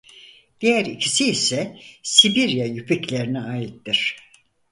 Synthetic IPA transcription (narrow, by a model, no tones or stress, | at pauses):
d̪̥ijæɾicʰisiːsɛsibiɾjajypʰiclʲeɾiniaːjit̪ːiɾ̥